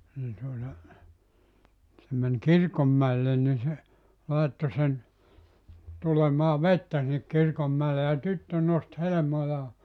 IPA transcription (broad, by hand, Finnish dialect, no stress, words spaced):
niː tuotɑ se men kirkomːæelːen ni se lɑˑetːo sen tulemɑː ʋetːæ sinːek kir komːæele jɑ tytːø nost helĕmojɑː